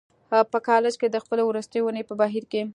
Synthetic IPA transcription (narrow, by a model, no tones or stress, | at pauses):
pəkɑlɪd͡ʒked̪əxpəlawɾust̪əjwunəjpəbaɦiɾke